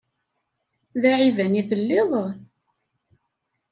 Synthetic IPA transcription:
ðæʕivæniθəlːeðˤ

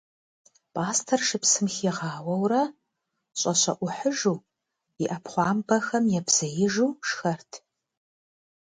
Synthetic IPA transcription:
pʰʼaːstʰɐrʂɨpsɨmxiʁɑːwɐwrɐ | ɕʼɐɕɐʔʷʊħəʒuː | ɪʔɐpχʷɑːmbɐxɐmjɛbz̥ɐjɪʒuːʂxɐrtʰ

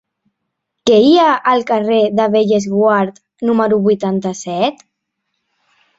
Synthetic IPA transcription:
keiəʔːlˠkareðəβeʎezɣwaɾt̪ | numəɾuβujt̪ant̪əsɛt̪

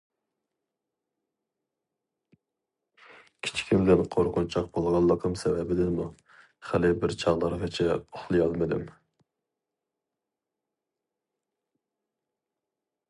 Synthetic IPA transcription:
kʲʰi̥t͡ʃʰi̥kʲʰimd̪ɪnqʰoɾqʰʊnt͡ʃʰɑq̚bolˠʁɑlˠːəqʰəmsɛbɛbɪd̪ɪmu | χælɪbɪɾt͡ʃʰɑʁlˠɑɾʁɨt͡ʃʰɛoχlˠɨjɑlˠmɨd̪ɪ̰m

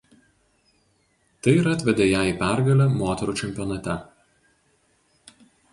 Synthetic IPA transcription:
t̪ɐɪiɾɐt̪ʲʋʲɛd̪ʲeːjæːiˑpʲæˑɾɡɐlʲɛmoːt̪ʲɛɾuːt͡ʃʲɛmʲpʲjɔnɐt̪ʲɛ

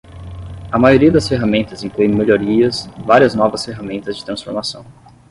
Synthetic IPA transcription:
ɐmajoɾiɐd̪ɐsfeɦamẽnt̪ɐzĩŋkluẽj̃meʎoɾiɐsvaɾiɐznɔvɐsfeɦamẽnt̪ɐzd͡ʒɪ̥t̪ɾɐ̃sfoɾmasɐ̃w̃

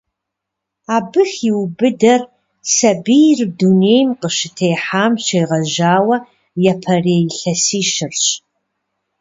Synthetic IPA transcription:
aːbɨxiwbɨdɐr | sɐbijrduneːjmqəʃɪtʰejħaːmɕejʁɐʒaːwɐ | jɐpʰɐreːjɪɬɐsiːʃɪrɕ

